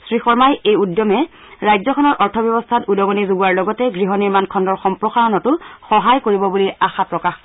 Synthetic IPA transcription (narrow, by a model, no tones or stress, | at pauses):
sɹixɔɹmajejudjɔmɛ | ɹajzɔkʰɔnɔɹʔɔɹtʰɔbjɔbɔstʰatudɔɡɔnizoɡuwaɹlɔɡɔtɛɡɹiɦɔniɹmankʰɔndɔɹxɔmpɹɔxaɹɔnɔtʊxɔɦajkoɹibɔbuliaxapɹɔkax